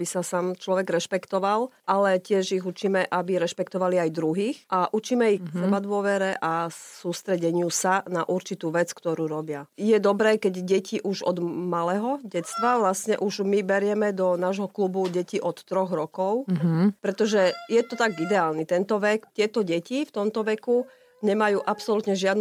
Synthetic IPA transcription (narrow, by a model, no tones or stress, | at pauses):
bisasaːmt͡ʃlɔʋɛɡɾɛʃpɛkt̪ɔʋalʔalɛcɪɛʒiɣut͡ʃiːmɛʔabiɾɛʃpɛkt̪ɔʋaliajd̪ɾuɦiːxʔaʔut͡ʃiːmɛiksɛbad̪ʊɔʋɛɾɛʔasuːst̪ɾɛɟɛɲɪusanaʔuɾt͡ʃit̪uːʋɛt͡skt̪ɔɾuːɾɔbɪajɛd̪ɔbɾɛːkɛɟɟɛciʔuʒɔ̰d̪malɛɦɔɟɛt̪t͡st̪ʋaʋlasɲɛʔuʒmibɛɾɪɛmɛd̪ɔnaːʒɦɔklubuɟɛciʔɔt̪ːɾɔɣɾɔkɔʊpɾɛt̪ɔʒɛjɛt̪ɔt̪aɡid̪ɛaːlnit̪ɛnt̪ɔʋɛkt̪ɪɛt̪ɔɟɛcift̪ɔmt̪ɔʋɛku | ɲɛmajuːʔapsɔlut̪ɲɛʒɪad̪n